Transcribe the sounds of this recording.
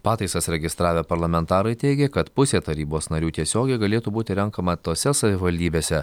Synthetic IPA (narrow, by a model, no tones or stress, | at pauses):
pɑːt̪ɐɪsɐsɾʲɛɡʲɪst̪ɾɑːʋʲɛpɐɾlˠɐmʲɛnt̪ɑːɾɐɪt̪ʲɛɪɡʲɛkɐt̪pʊsʲeːt̪ɐɾʲiːboːsnɐɾʲuːt̪ʲiɛsʲoːɡʲɛɪɡɐlʲeːt̪uːbuːt̪ʲɪɾʲɛŋkɐmɐt̪oːsʲɛsɐʋʲɪʋɐlʲd̪ʲiːbʲeːsʲɛ